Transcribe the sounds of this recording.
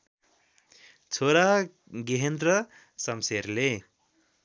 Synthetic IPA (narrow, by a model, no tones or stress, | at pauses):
t͡sʰoɾa | ɡeɦend̪rʌ | sʌmseɾle